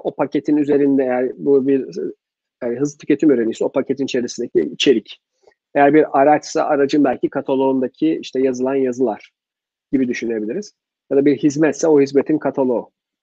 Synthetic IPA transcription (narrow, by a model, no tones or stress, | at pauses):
o̞pʰacʰe̞t̪ʰinyze̞ɾind̪ɛejæɾbubiɾ | anɦɯzlˠɯt̪ʰy̥cʰʲe̞t̪ʰimøːɾenisio̞pʰacʰet̪ʰinit͡ʃʰe̞ɾisind̪ecʰʲḭit͡ʃʰe̞ɾic | ejæɾbiɾaɾat͡ʃsa̰ʔaɾad͡ʒɯnbælʲcʰikʰat̪ʰalˠo̞und̪acʰiḭʃt̪ʰɛjazɯlˠanjazɯlˠaɾ̥ | ɟ̥ibid̪yʃynye̞bilʲiɾiz̥ | jad̪abiɾhizmɛt̪sɛo̞hizme̞t̪ʰinkʰat̪ʰalˠo̞